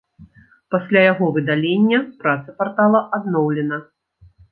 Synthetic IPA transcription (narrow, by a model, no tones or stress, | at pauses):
pasʲlʲajaɣɔvɨd̪alʲenʲːɐpɾat̪sɐpart̪alˠɐʔad̪nɔwlʲɛnɐ